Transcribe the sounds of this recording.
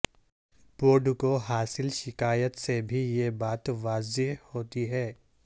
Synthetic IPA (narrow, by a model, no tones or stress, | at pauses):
poːɖkoɦaːsɪlʃɪkaːjət̪sebʱijebaːt̪ʋaːzɪɦhoːt̪iɦɛː